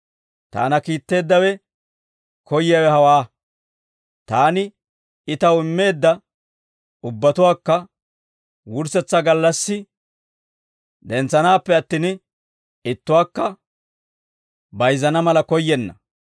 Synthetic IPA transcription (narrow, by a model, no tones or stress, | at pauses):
t̪a̰ːnɐkiːt̪ːe̞ːd̪ːɐwɛ | kʰɔjɪjawɛhɐwaː | t̪aːnɪ | ɪt̪ɐwɪmːe̞ːd̪ːɐ | ʊbːɐt̪ʊwaːkːɐ | wʊɾsɛt͡sːɐɡɐlːɐsːɪ | d̪ɛnt͡sːɐnaːpːɛɐt̪ːiːn | ɪt̪ːʊwaːkːɐ | bɐjzɐnɐmɐlɐkɔjːɛnːɐ